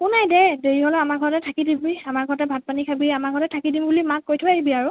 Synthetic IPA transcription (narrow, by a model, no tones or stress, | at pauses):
kʊnajdɛdeɹiɦɔlɔamaɹɡʱɔɹɔtɛtʰakidibiamaɹɡʱɔɹɔtɛbʱat̚panikʰabiamaɹɡʰʱɔɹɔtɛtʰakidimbulimat̚kojtʰʊaɦibiaɹʊ